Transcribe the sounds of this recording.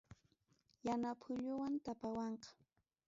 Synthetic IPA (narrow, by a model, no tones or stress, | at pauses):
janapʰʊʎʊwant̪apawɑɴqɑ̥